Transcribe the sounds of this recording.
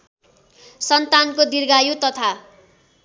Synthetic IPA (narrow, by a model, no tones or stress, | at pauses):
sʌnt̪ankod̪irɡajut̪ʌt̪ʰa